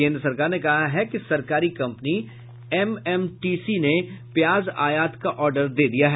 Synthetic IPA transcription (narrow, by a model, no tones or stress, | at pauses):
ẽːnd̪ɾəsɐɾkaːɾnekɐɦaɦɛkisɐɾkaːɾikɐ̃mpni | ɛmɛmʈiːsinepjaːzaːjaːt̪kaʔɔːɾɖəɾd̪eːd̪ijaɦɛ